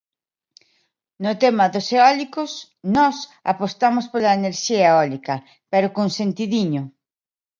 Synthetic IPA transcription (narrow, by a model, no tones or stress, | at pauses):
nʊt̪emɐðoseɔlikʊs | nɔsa̰post̪amospolɐeneɾʃiɐeɔlikɐ | peɾokonsent̪iðiɲʊ